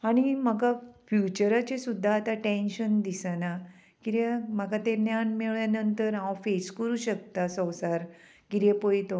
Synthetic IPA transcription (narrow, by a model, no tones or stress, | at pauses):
aɽ̃im̤əɡafjut͡ɕəɾat͡ɕesud̪ʱːaːt̪ãʈẽnɕənd̪isana | kiɾaməɡat̪enjanmeɭjanənt̪əɾɦãwfeskəɾuːɕək̚t̪asə̃wsaɾ | kiɾjepojt̪o